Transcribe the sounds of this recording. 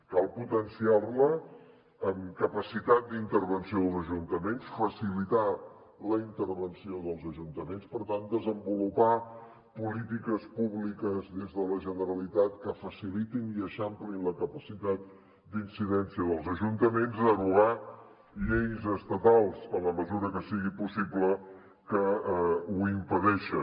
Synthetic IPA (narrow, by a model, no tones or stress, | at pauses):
kalˠput̪ənsiarləː | mkəpəsit̪at̪̚d̪int̪əɾβənsioləʒunt̪əmensfəsilit̪a | ləint̪əɾβənsioðəlˠzəʒunt̪əmenspəɾt̪and̪əzəmbulupa | pulit̪ikəspuβlikəzðezðələʒənəɾəlit̪at̪̚kəfəsilit̪iniəʃamplinləkəpəsit̪at̪̚ | d̪insiðɛnsiəðəlˠzəʒunt̪əmenzəɣuɣa | ʎejzəst̪ət̪alˠzənləməzuɾəkəsiɣipusiblə | kə | uimpəðɛʃə